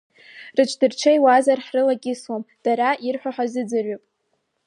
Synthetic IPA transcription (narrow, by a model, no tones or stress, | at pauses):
rɨt͡ʃʰʼdɨrt͡ʃʷʰajwazarħrɨlaɡʲɪswamd̥aɾaʔirħʷᶣaħʷazɨd͡zɨrɥopʼ